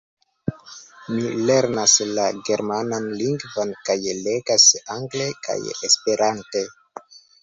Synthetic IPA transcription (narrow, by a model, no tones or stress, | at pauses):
mile̞ɾnaslaɡe̞ɾmananliŋɡvonkajleɡasaŋɡle̞ka̰jespe̞ɾante̞